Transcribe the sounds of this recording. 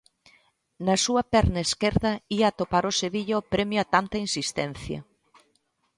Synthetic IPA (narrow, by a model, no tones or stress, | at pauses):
nɐsuɐpɛɾnɐeskeɾðɐiɐat̪opaɾoseβiʎɐopɾɛmjoat̪ant̪ɐinsist̪ɛn̟θjɐ̰